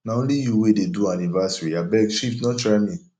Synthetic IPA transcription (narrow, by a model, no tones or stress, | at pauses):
nãõlijuwededuanĩvasɾiabɛɡʃipnɔ̃t͡ʃɾamĩ